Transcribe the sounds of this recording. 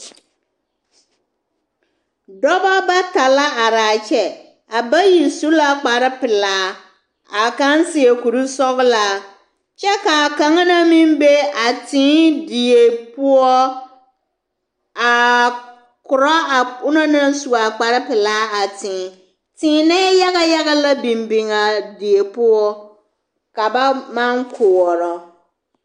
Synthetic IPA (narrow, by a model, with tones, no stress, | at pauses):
dɔ˦ba˦ba˦ta˨la˦a˨ɾa˨t͡ʃɛ˨ | a˨ba˦ji˨su˦la˦k͡pa˨ɾɪ˦pɪ˨laː˨˦ | a˨kã˦n˦sɪ˨ɛ˨ku˨ɾu˦sɔ˦kla˨ | t͡ɕɛ˦ka˨kã˨˦ŋ˦nã˦mĩ˦m˦be˦a˨tʰɪ̃˨˦di˨e˨pʊ˦ɔ˦ | a˨ | kʊ˨ɾɔ˦a˨ʊ˦nɔ˦na˦n˦su˨a˨k͡pa˨ɾɪ˦pɪ˨laː˦a˨tɪ̃ː˨˦ | tɪː˨˦na˦ja˦ɣa˦ja˦ɣa˦la˦bi˨mbɪ˨ŋa˨dɪ˨e˨pʊ˦ɔ˦ | ka˨ba˦ma˦ŋkʰʊ˨ɔ˨ɾɔ˨